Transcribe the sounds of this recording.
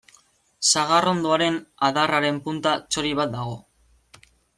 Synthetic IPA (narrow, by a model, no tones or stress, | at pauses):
saɣaro̞nd̪oaɾe̞naðaraɾe̞mpunt̪at͡ʃo̞ɾiβ̞at̪̚d̪aɣ̞o̞